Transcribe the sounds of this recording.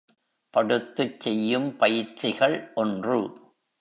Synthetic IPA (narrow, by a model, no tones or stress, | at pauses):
pɐɽɯt̪ːɯt͡ʃːɛjːɯmpɐjɪɾt͡ʃːɪɣɐɭʔɔndrɯ̰